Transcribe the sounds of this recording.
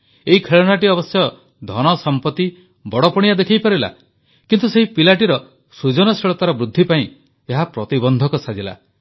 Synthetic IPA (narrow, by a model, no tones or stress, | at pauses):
eɦikʰeɭɔnaʈiɔbɔsjɔ | d̪ʱɔnɔsɔmpɔt̪i | bɔɽɔpɔɽ̃ijad̪ekʰijpɔɾila̰ | kint̪useɦipilaʈiɾɔ | sud͡ʒɔnɔsiɭɔt̪aɾɔbɾud̪ʱːipaĩ | eɦapɾɔt̪ibɔnd̪ʱɔkɔsad͡ʒila̰